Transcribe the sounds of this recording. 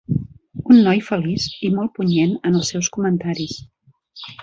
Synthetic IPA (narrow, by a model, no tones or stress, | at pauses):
unːɔjfəlisimɔlˠpuɲenənəlˠsɛwskumənt̪aɾis